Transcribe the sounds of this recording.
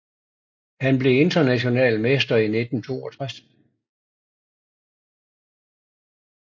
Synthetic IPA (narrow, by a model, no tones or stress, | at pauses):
hænb̥le̝e̝nd̥ɐnæɕo̝nɛ̰ːlmesd̥ɐine̝d̥n̩t͡sʰo̝̰ːɒt͡sʰʁas